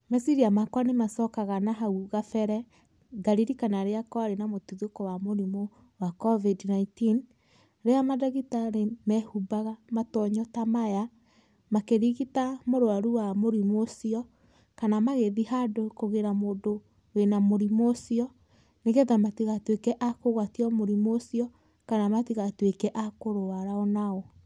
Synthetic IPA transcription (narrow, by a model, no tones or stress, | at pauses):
mɛsiɾiamakwanemasɔkaɣanaɦauɣafɛɾɛ | ɡaɾiɾikanaɾeakɔaɾenamotuðokɔwamoɾimo | wakɔvidnaitin | ɾeamadaɣitanemɛhubaɣamatɔɲɔtamaja | makeɾiɣitamoɾoaɾuwamoɾimosiɔ | kanamaɣeðihadokoɣeɾamoːdo | wenamoɾimosiɔ | neɣɛðamatiɣatwekɛʔakoɣwatiɔmoɾimoːsiɔ | kanamatiɣatwekɛʔakoɾoaɾaɔnaɔ